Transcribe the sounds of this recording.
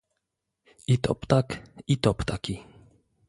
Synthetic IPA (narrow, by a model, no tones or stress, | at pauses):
it̪ɔ̰pt̪akit̪ɔpt̪akʲi